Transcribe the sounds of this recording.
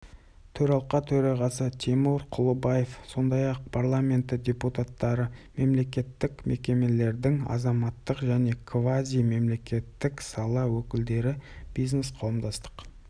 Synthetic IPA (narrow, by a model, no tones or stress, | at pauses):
t̪ʰɵɾɑlˠqɑt̪ʰɵɾɑʁɑsət̪ʲʰimuɾqʰʊlˠəbaje̞fso̞nd̪ɑjɑq̚pʰaɾlˠamʲe̞nt̪ədʲe̞put̪at̪ːɑɾəme̞mle̞k̬ʲe̞t̪ːɪkmʔe̞kʲe̞me̞le̞ɾd̪ɪŋɑ̰zɑmɑt̪ːəqʒæne̞kʰvazʲijme̞mle̞kʲe̞t̪ːɪksɑlˠɑwɵkʲɪld̪e̞ɾɪb̥ijznesqʰɑwəmd̪ɑst̪ə̥q